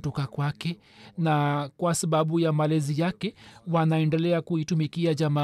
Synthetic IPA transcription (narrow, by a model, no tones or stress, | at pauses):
tɔkakwakɛ | nakwasaɓaɓujamalɛzijakɛwanaɛndɛlɛakuitumikiaʄama